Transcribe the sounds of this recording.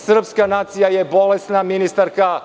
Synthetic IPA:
sr̩pskanaːt̪sijaje̞bo̞lesnaminist̪aɾka

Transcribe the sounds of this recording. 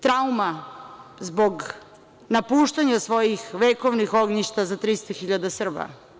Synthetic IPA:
t̪ɾauma | zboɡ | napuːʃt̪aɲasʋo̞jixʋekoʋnixoɡɲiʃt̪azat̪ɾist̪oxiʎad̪asr̩ba̰

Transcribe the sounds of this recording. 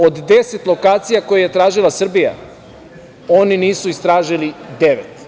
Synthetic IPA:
o̞d̪d̪eset̪lˠo̞kaːt̪sijako̞jejet̪ɾaːʒilˠasr̩bija̰ | o̞niniːsuist̪ɾaːʒilid̪eʋet̪

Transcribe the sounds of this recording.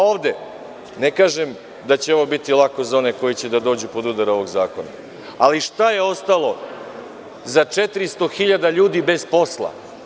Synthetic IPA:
o̞ːʋd̪e | nekaːʒem | d̪at͡ɕeo̞ʋo̞bit̪ilˠako̞zao̞ne̞ko̞jit͡ɕed̪ad̪o̞ːd͡ʑupo̞d̪ud̪aɾo̞ʋo̞ɡzaːko̞na̰ | aliʃt̪aje̞o̞st̪alo̞ | zat͡ʂet̪ɾist̪o̞xiʎad̪aʎuːd̪ibe̞zpo̞slˠa̰

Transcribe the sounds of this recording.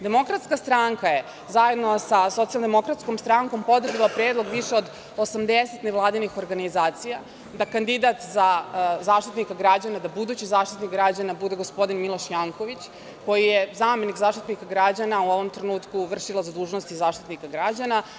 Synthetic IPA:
d̪e̞mo̞kɾat̪skast̪ɾaŋkaje̞ | zaje̞d̪nosaso̞t̪ialnd̪mo̞kɾat̪sko̞mst̪ɾaŋko̞mpo̞d̪r̩ʒalˠapɾeːd̪lˠo̞ɡʋiʃeod̪ | osamd̪eset̪neʋlˠaːd̪inixo̞ɾɡanizaːt̪sija | d̪akand̪id̪at̪zazaːʃt̪it̪nikaɡɾad͡ʑanad̪abud̪uːt͡ɕizaːʃt̪it̪nikɡɾad͡ʑanabud̪e̞ɡospo̞d̪inmilˠo̞ʃjaŋko̞ʋit͡ɕ | ko̞jijezaːme̞nikzaːʃt̪it̪nikaɡɾad͡ʑanauo̞ʋo̞mt̪ɾenuːt̪kuʋr̩ʃilˠazad̪uːʒnost̪izaːʃt̪i̥t̪nikaɡɾad͡ʑana

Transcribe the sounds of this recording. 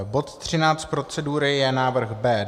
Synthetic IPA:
bo̞t̪t̪r̝̥ɪnaːt͡st̪pɾo̞t͡sɛduːɾɪjɛnaːvr̩xbɛː

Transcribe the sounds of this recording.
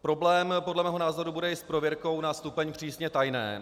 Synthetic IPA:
pɾo̞blɛːmpo̞dlɛmɛːɦonaːzo̞ɾubudɛɪspɾovjɛɾko̞wnast̪upɛɲpr̝̥iːsɲɛt̪ajnɛ̰ː

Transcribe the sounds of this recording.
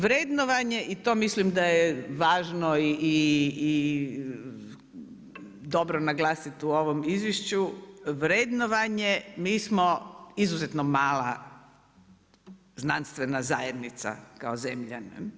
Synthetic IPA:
ʋɾeːd̪noʋaɲeʔit̪oːmislimd̪ajeʋaːʒnoiiː | d̪o̞bɾonaɡlaːsit̪uoʋo̞mizʋjeʃt͡ɕuʋɾed̪noʋaɲemiːsmoizuzet̪nomaːlˠa̰ | znanst̪ʋenaza̰ːjed̪nit̪sa̰kaozemʎa̰ne

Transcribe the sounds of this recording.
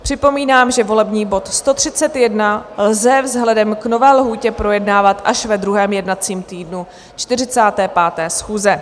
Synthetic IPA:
pr̝̥ɪpo̞miːnaːmʒɛvo̞lɛbɲiːbo̞t̪st̪o̞t̪r̝̥ɪt͡sɛt̪jɛdnalzɛvzɦlɛdɛmkno̞vɛːlɦuːcɛpɾo̞jɛdnaːvat̪ʔaʃvɛd̪ɾuɦɛːmjɛdnat͡siːmt̪iːdnu | t͡ʃt̪ɪrɪt͡saːt̪ɛːpaːt̪ɛːsxuːzɛ

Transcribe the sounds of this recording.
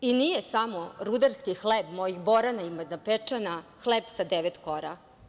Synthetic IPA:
inijesamoɾud̪aɾskixlebmojixboɾanaimad̪napet͡ʂanaxleːbsad̪eʋet̪koɾa

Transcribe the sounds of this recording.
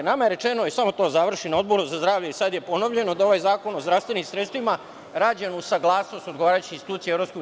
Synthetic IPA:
namajeɾe̞t͡ʃe̞no̞isamo̞t̪o̞ːzaʋr̩ʃinao̞d̪̚bo̞ɾuzazd̪ɾaːʋʎeisad̪jepo̞noʋʎe̞nod̪ao̞ʋajzaːko̞no̞zd̪ɾaʋst̪ʋe̞nimsɾet̪st̪ʋima | ɾaːd͡ʑenusaɡlˠaːsno̞st̪o̞d̪ɡoaːɾajut͡ɕinsit̪uːt̪sieeɾo̞psko

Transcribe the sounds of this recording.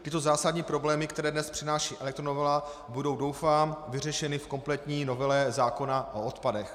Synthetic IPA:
t̪ɪt̪o̞zaːsadɲiːpɾo̞blɛːmɪkt̪ɛɾɛːdnɛspr̥ɪnaːʃiːʔɛlɛk̚t̪ɾonovɛla | budo̞wdo̞wfaːmvɪrɛʃɛnɪfko̞mplɛt̪ɲiːno̞vɛlɛzaːko̞naʔoot̪padɛx

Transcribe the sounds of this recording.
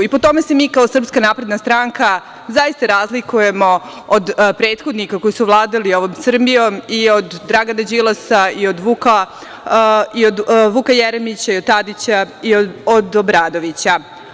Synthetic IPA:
ipo̞t̪o̞me̞se̞miːkao̞sr̩pskanaːpɾe̞d̪nast̪ɾaŋka | zajist̪aɾazlikuje̞mo̞ | od̪pɾe̞ːt̪xo̞d̪nikako̞jisuʋlˠaːd̪alio̞ʋo̞msr̩bijo̞mio̞d̪ːɾaɡanad͡ʑilˠasaio̞d̪ʋuka | iod̪ʋukajeɾemit͡ɕaiod̪̚t̪ad̪it͡ɕaiood̪obɾaːd̪o̞ʋit͡ɕa

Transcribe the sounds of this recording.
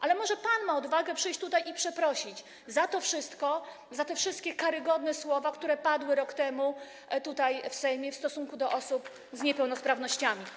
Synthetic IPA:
ʔalɛmɔʐɛpanmaɔd̪vaɡɛpʂɘjt͡ɕt̪ut̪ajipʂɛpɾɔɕid͡ʑ | zat̪ɔfʂɘst̪kɔ | zat̪ɛfʂɘst̪̚kʲɛkaɾɘɡɔd̪nɛswɔvakt̪uɾɛpad̪wɘɾɔkt̪ɛmu | t̪ut̪ajfsɛjmʲjɛfst̪ɔsuŋkud̪ɔʔɔsup | zɲɛpɛwnɔspɾavnɔɕt͡ɕamʲi

